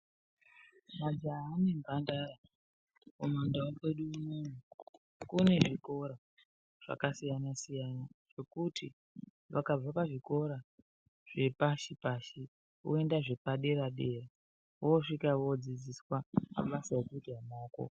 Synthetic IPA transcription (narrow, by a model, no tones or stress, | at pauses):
mad͡ʒaːnembandaɾa | omandawakwe̞ɗuumon̤u | kune̞ʐiko̞ɾa | ʐ̥a̰kasijanasijanaʐ̥e̞kuti | ʋakab͡vapaʐiko̞ɾa | ʐ̥e̞paʃipaʃi | ṵe̞ndaʐe̞paɗe̞ɾaɗe̞ra | oʂikaʋod͡zid͡ziswama̰ɓasaekuidamoːko̰